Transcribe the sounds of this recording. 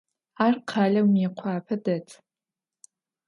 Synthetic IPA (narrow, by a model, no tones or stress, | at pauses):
arqʰaːlʲawmeqʷʰaːpʰadatʰʼ